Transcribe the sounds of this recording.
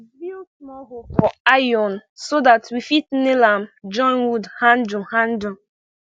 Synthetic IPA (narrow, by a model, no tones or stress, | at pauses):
ismɔɦofɔajɔnsodatwifitn̩nelam̩d͡ʒɔ̃nwudhãn̩d͡ʒuhãn̩du